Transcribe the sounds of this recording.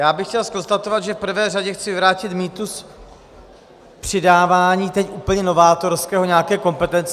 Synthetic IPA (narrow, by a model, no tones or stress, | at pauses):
jaːbɪxcɛlsko̞nst̪at̪o̞vad̪ʒɛfpr̩vɛːraɟɛxt͡sɪvɪvɾaːcɪt̪miːt̪us | pr̝̥ɪdaːvaːɲiːt̪ɛcʔuːpl̩ɲɛno̞vaːt̪o̞ɾskɛːɦo̞ɲɛakɛːko̞mpɛt̪ɛnt͡s